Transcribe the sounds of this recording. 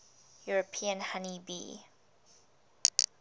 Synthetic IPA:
juɹəpʰĩə̃nhanibḭː

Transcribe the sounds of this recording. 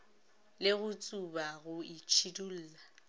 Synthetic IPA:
lɪɣʊt͡sʼubaɣʊit͡ʃʰidul̩ːla

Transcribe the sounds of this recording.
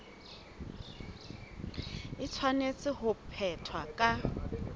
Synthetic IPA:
ɪt͡sʰwanet͡sʼɪhʊpʰɛtʰwakʼa

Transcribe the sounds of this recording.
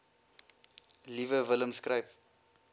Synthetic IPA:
livəvələmskrəjp

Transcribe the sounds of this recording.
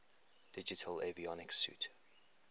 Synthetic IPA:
d̥ɪd͡ʒɪtʰəlɛviɔnɪksjṵt

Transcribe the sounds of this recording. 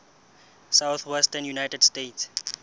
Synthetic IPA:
sawθwɛstənjunajtɛdstets

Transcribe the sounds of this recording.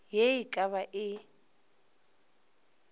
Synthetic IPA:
jejikʼaβaʔɪ

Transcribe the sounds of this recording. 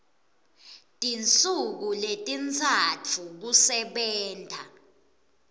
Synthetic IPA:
tʼint͡sʼuk̬uletʼint͡sʰat͡fʰuk̬usɛɓɛːntʰʼa̰

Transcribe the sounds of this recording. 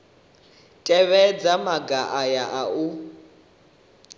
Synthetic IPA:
tʼɛβɛd͡zamaɡaʔajaʔau

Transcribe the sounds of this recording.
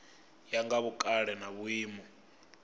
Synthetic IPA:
jaŋɡaβukʼaɺɛnaβuiːmɔ

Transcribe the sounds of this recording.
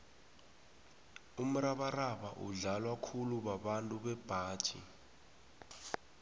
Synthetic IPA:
um̩raɓaraɓa̰ʔṵɮalwakʰuluɓaɓantʼuɓɛb̥ʱaːd̥t͡ʃʼḭ

